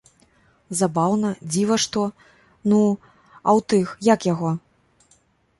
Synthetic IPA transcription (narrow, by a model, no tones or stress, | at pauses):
zabawnɐd͡zʲivɐʂt̪ɔ | nu | ɐwt̪ɨxjɐkjaɣɔ